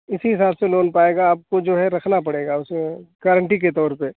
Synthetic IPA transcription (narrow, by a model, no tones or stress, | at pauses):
ɪsiɦɪsaːbseloːnpaːeːɡaːp̚kod͡ʒoːɦɛɾɐkʰnapɐɽeːɡaʊsekaːɾə̃ɳʈik̬et̪ɔːɾpe